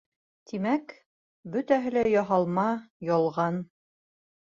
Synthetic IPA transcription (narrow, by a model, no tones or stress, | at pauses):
t̪ʰimæk | bɵt̪æɦɘ̆læjɑɦɑlˠmɑjɒlˠʁɑn